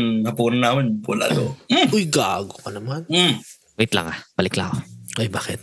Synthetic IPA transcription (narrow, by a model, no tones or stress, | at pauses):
hɐpuːnonaːmɪnɐ̰la̰ːoojɡaʔaɡokɐnɐman̩ | wɪt̪lɐ̰ŋapɐlɪkla̰ʔoʔojbaːkɪt̪̚